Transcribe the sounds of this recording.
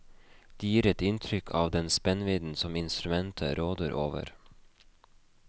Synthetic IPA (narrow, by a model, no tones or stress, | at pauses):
d̪̥eːjiːɾɛt̪ɪnt̪ʰɾʏkʰɑːʋd̪ɛnspɛnʋiːd̪n̩sɔmɪnst̪ɾʉmɛnt̪ʰə̰ɾoːd̪əɾʔo̰ːʋə̰ɾ